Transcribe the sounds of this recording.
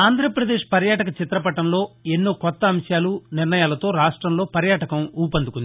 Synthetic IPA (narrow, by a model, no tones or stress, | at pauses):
aːnd̪ʱɾɐpɾɐd̪eːʂpɐɾjaːʈɐkɐt͡ʃit̪ɾɐpɐʈɐmlo̞ːe̞nːoːkɔt̪ːɐːmʂjaːlunɪɾɳɐjaːlɐt̪o̞ːɾaːʂʈɾɐmlo̞ːpɐɾjaːʈɐkɐmuːpɐnd̪ukund̪